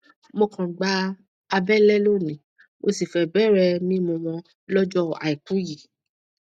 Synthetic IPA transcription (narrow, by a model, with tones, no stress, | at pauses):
mo˧kã˨ɡ͡ba˧ | a˧bɛ˦lɛ˦lo˦˨nĩ˨ | mo˧si˨fɛ˦˨bɛ˦ɾɛ˧mĩ˦mũ˧w̃ɔ̃˧ | lɔ˦d͡ʒɔ˦˨a̰˨i˨ku˨˦ji˨